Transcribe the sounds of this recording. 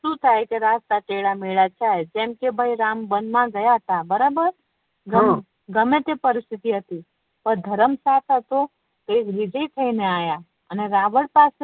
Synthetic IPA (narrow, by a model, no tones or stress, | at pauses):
ʃũt̪ʰajkeɾast̪aʈeɭameɭat͡ʃʰajd͡ʒɛmkebʱəiɾambənd̪mãɡəjaɦət̪abəɾabəɾ | ɡəm | ɡəmẽt̪epəɾɪst̪ʰit̪iɦət̪i | pəɾd̪ʱəɾəmsat̪ʰɦət̪o | t̪oekʋɪd͡ʒəit̪ʰəineaja | əneɾaʋəɭpas